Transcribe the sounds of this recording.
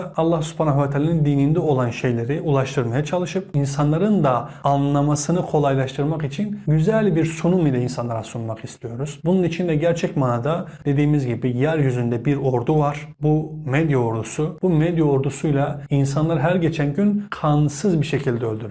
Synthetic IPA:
ɑlˠːahsy̥pʰaːnaɦvat̪ʰaːlanind̪iːnind̪ɛo̞lˠanʃe̞jlʲe̞ɾiʔulˠaʃt̪ʰɯɾmajat͡ʃʰalˠɯʃɯpinsanlˠaɾɯnd̪aːnlˠamasɯnɯkʰo̞lˠajlˠaʃt̪ʰɯɾmaqit͡ʃʰinɟyzælʲbiɾsunumilʲainsanlˠaɾasunmaqist̪ʰijo̞ɾuz̥bununit͡ʃʰind̪ɛɟæɾt͡ʃʰɛcmanad̪ad̪̥e̞d̪ijːimizɟibijæɾjyzynd̪ɛbiɾo̞ɾd̪uvaɾ̥bumed̪jao̞ɾd̪usubumed̪jaoɾd̪usujlˠainsanlˠaɾɦæɾɟe̞t͡ʃʰænɟynkʰansɯzbiɾʃe̞cʰilʲd̪ɛø̞lʲd̪yɾ

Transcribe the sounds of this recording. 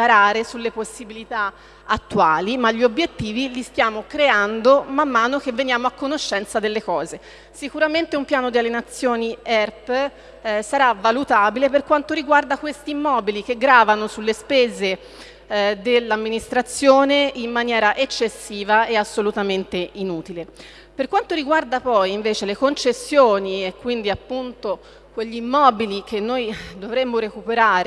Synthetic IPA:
aɾaːɾesulːeposːibilit̪a | at̪ːwaːlimaʎːiobjet̪ːiːvilist̪jaːmokɾeand̪omamːaːnok̟evːenjaːmoakːonoʃːɛnt̪sad̪elːekɔːze | sikuɾament̪eumpjaːnod̪ialːenat̪sːjoːniɛrp | saɾavːalut̪abileperkwant̪oɾiɡward̪akwest̪iːmːɔːbilik̟eɡɾaːvanosulːespeːze | d̪elːamːinist̪ɾat̪sːjoːneimːanjɛːɾaʔet͡ʃːesːiːvaeasːolut̪ament̪einuːt̪ile | perkwant̪oɾiɡward̪apɔjiɱveːt͡ʃelekont͡ʃesːjoːniekːwind̪iapːunt̪o | kweʎːiːmːɔːbilikenːojd̪ovɾemːoɾekupeɾaːɾ

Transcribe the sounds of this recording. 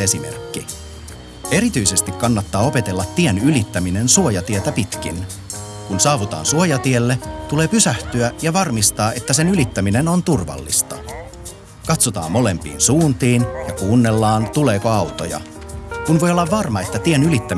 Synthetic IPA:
esimḛrkːi | e̞ɾit̪yjse̞st̪ikkːɑnːɑt̪ːɑːo̞pe̞t̪e̞lːɑt̪ːienylit̪ːæmine̞nsuojɑt̪iet̪æpit̪k̟ḭn | kunsɑːʋut̪ɑ̰ːnsuo̞jɑt̪ielːet̪ule̞ːpysæht̪yæjɑʋɑrmist̪ɑːʔe̞t̪ːæse̞nylit̪ːæmine̞no̞nt̪urʋɑ̰lːḭst̪ɑ | kɑt̪sot̪ɑ̰ːmmo̞le̞mpḭːnsuːnt̪iːnjɑkuːnːe̞lːɑːnt̪ule̞ːko̞ɑwt̪o̞̰jɑ̰ | kunʋo̞jolːɑʋʋɑrmɑe̞t̪ːæt̪ienylit̪ːæ

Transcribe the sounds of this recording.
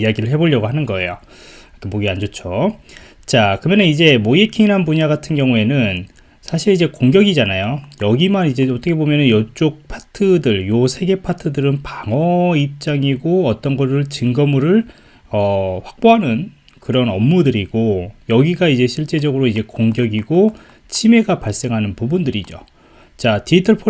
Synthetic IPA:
ijaɡiɾɯɭɦe̞boʎːʌɡoɦanɯnɡʌe̞̰jo | kʰemoɡiand͡ʑot͡ɕʰo | t͡ɕakɯmjʌnɯnid͡ʑe̞moekʰiŋinɦanbuɲaɡatʰɯnɡjʌŋue̞nɯn | sʰaɕʰiɾid͡ʑe̞koŋɡjʌɡid͡ʑanajojʌɡimanid͡ʑe̞ʌtʰʌkʰebomjʌnɯnjʌt͡ɕ͈ok̚pʰatʰɯdɯɭjosʰe̞ɡe̞pʰatʰɯdɯɾɯnpaŋʌip̚t͡ɕ͈aŋiɡoʌt͈ʌnɡʌɾɯɭt͡ɕɯŋɡʌmɯɾɯɭ | ʌɸwak̚p͈oɦanɯn | kɯɾʌnʌmːudɯɾiɡ̥ojʌɡiɡaid͡ʑe̞ɕʰiɭt͡ɕ͈e̞d͡ʑʌɡɯɾoid͡ʑe̞koŋɡjʌɡiɡo | t͡ɕʰime̞ɡapaɭs͈e̞ŋɦanɯnpubundɯɾid͡ʑo̰ | t͡ɕatiitʰɯɭpʰo

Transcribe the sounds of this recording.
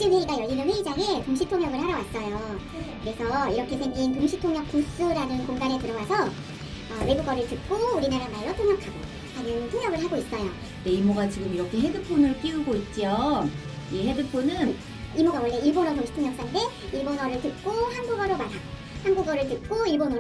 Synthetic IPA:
t͡ɕɯnwe̞iɡajʌɭinɯnweid͡ʑaŋetoŋɕ̬ʰitʰoŋjʌɡɯɭɦaɾjʌwas͈ʌjo | kɯɾe̞sʰʌiɾʌkʰe̞sʰeŋɡintoŋɕʰitʰoŋjʌk̚p͈us͈uɾanɯnkoŋɡanetɯɾʌwasʰʌ | ʌwe̞ɡuɡʌɾɯɭtɯt̚k͈ouɾinaɾamaiɾotʰoŋjʌkʰaɡo̰ | anɯŋtʰoŋjʌɡɯɭɦaɡois͈ʌjo | deimoɡat͡ɕiɡɯmiɾʌkʰe̞ɦedɯpʰonɯɭk͈iuɡoit̚t͡ɕ͈io | iɦedɯpʰonɯn | imoɡawʌɭːeiɭbonotoŋɕi̥tʰoŋjʌk̚s͈ande̞iɭbonʌɾɯɭtɯt̚k͈ohanbuɡʌɾomaɾa | hanɡuɡʌɾɯɭt̬ɯt̚k͈oiɭbono

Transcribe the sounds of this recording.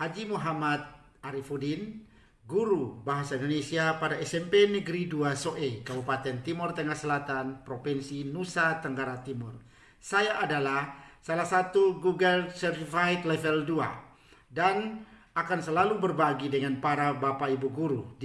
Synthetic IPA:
had͡ʒimuɦamat̪̚ | aɾifudin | ɡuɾubaɦasaindonesiapadaɛsɛmpɛnəɡɾiduasoʔɛkəbupat̪ɛnt̪imɔrt̪əŋahsəlat̪anpɾɔpɛnsinusat̪əŋɡaɾat̪imur | sajaʔːdalahsalahsat̪uɡuɡəlsɛrt̪ifait̪lɛvɛldua̰ | dan | akansəlalubərbaɡidəŋanpaɾabapaibuɡuɾu

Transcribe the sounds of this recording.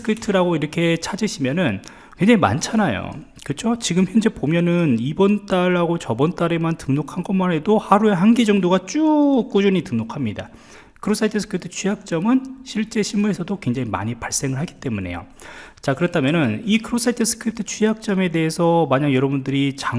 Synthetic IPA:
kʰɯtʰɯɾaɡoiɾʌkʰe̞t͡ɕʰad͡ʑiɕʰimjʌnɯn | kweŋd͡ʑaŋima̰nt͡ɕʰanajo̰ | kɯt͡ɕʰot͡ɕiɡɯmçjʌnd͡ʑe̞pomjʌnɯnibʌnt͈aɭːaɡot͡ɕʌbʌnt͈aɾe̞mantɯŋnokʰanɡʌmanɦe̞dohaɾue̞ɦanɡid͡ʑʌŋdoɡat͡ɕ͈uk͈ud͡ʑuɲitɯŋnokʰamɲida̰ | kʰɯɾos͈ʰaitʰɯsʰɯ̥kʰɯtʰɯ̥t͡ɕʰujak̚t͡ɕ͈ʌmɯnɕʰiɭt͡ɕ͈e̞ɕʰimuɾe̞sʰʌdokwe̞ŋd͡ʑaŋima̰ɲipaɭs͈e̞ŋɯɭɦaɡi̥t͈e̞mune̞̰jo̰t͡ɕakɯɾʌtʰamjʌnɯnikʰɯɾos͈ʰaitʰɯsʰɯ̥kʰɯtʰɯ̥t͡ɕʰujak̚t͡ɕ͈ʌme̞de̞ɦesʰʌmaɲaŋjʌɾʌbundɯɾit͡ɕa

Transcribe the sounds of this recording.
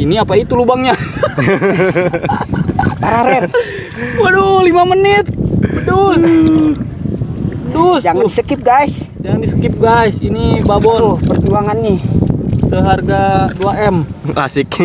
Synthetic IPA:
iniapait̪ulubaŋɲa | taɾaɾɛr | wədolimamənɪt̪̚bədu | ət̪usd͡ʒaŋandisəkɪp̚ɡais | d͡ʒaŋandisəkɪp̚ɡaisinibabɔpərd͡ʒuaŋanːi | səɦarɡaduaɛma̰sik

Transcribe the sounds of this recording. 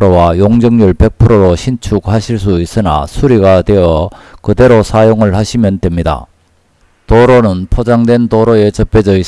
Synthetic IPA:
ɾowajoŋd͡ʑʌŋɲuɭpe̞k̚pʰɯɾoɾoɕʰint͡ɕʰuɡhaɕʰiɭs̬͈uis͈ɯna̰sʰuɾiɡadwe̞jʌkɯde̞ɾosʰajoŋɯɭhaɕʰimjʌndwe̞mɲida̰ | toɾonɯnpʰod͡ʑaŋdwe̞nt̪oɾoe̞t͡ɕʌp͈e̞d͡ʑʌis

